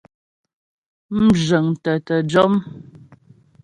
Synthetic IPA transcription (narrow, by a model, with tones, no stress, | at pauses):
m̩˦ʒə˨ŋtə˨tə˨d͡ʒɔ˦m